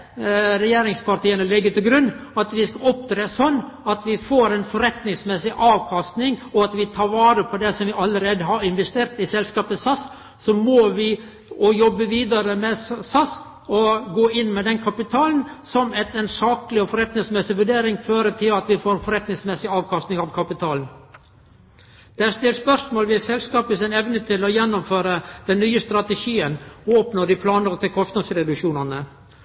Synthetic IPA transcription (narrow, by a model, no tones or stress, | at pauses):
ɾɛjeːɾɪŋspʰɑɾt̪iːənəlɪɡːət̪ɪlɡɾʉnːɑt̪ʋɪskɑɔp̚t̪ʰɾeːsɔnːɑt̪ʋɪfoːɾɛnfɔɾɛt̪nɪŋsmɛsɪʔɑːʋkʰɑst̪nɪŋɔɑt̪ʋɪt̪ʰɑːɾʋɑːɾəpʰɔd̪ɛsɔmʋɪʔɑlːəɾeːd̪əɦɑɾɪnʋɛst̪eːɾt̪ɪsɛlskɑːpəsɑs | sɔmɔʋɪ | ɔjɔbːəʋiːd̪ɑɾəmɛsɑs | ɔɡoːɪnːmɛd̪ɛnkʰɑpɪt̪ʰɑːln̩ | sɔmɛt̪ɛnsɑːklɪɔfɔɾɛt̪nɪŋsmɛsɪʋʉɖeːɾɪŋføːɾət̪ʰɪlɑt̪ʋɪfoːɾfɔɾɛt̪nɪŋsmɛsɪɑːʋkʰɑst̪nɪŋɑʋkʰɑpɪt̪ʰɑːln | d̪̥ɛæst̪ɪlspœʂmoːlʋɪsɛlskɑːpəsænɛʋnət̪ʰɪlɔjɛnːɔmføːɾəd̪̥ɛnːyːəst̪ɾɑt̪əʃiːənɔoːpnod̪ɪpʰlɑːnəɾt̪ɪlkʰɔst̪nɑd̪sɾɛd̪ʉʃuːnɑnə